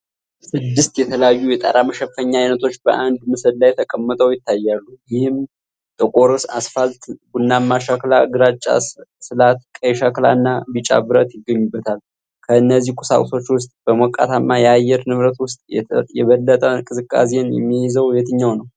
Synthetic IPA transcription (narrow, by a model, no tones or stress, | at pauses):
sɨd̪ːɨst̪jɛt̪ʰələjajːujɛt̪ʼa̰ɾaməʃɛfəɲːaajnət̪ʰo̞t͡ʃːbəʔand̪mɨsɨllajt̪ʰəkʼəmːət̪ʼʰəwjɪt̪ːajːalːujɪhɪm | t̪ʼɨkʼo̞ɾusa̰sfalt̪ɡunːamːaʃaklaɡɨɾat͡ʃʼːa̰sɨlat̪̚kʼəjʃakla̰nːabɨt͡ʃʼa̰bɨɾət̪jɪɡːəɲːubːət̪ʰal | kʰəɨnːəzːihkʼusa̰kʼso̞t͡ʃːwʊst̪ʼb̥əmokʼːa̰t̪ʰamːajɛajɛɾnɨβɾət̪wʊst̪ʼjɛjɛβəlːət̪ʼəkʼɨzɨkʼːa̰s̬enjɛ̰mːiɪzəwjet̪ɨɲːawnəw